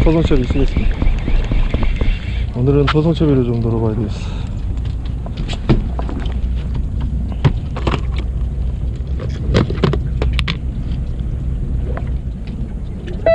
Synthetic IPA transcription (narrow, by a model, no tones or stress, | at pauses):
sʰʌsʰʌŋt͡ɕʰʌbis͈ʰɯɡes͈ɯmɲida | onɯɾɯnsʰʌsʰʌŋt͡ɕʰʌbiɾod͡ʑomnoɾobajdes